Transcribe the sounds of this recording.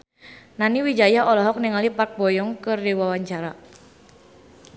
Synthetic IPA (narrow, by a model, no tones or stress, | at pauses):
naniwid͡ʒajaʔɔlɔɦɔk̚niŋalipak̚bɔjɔŋkɨrdiwawaɲt͡ʃaɾa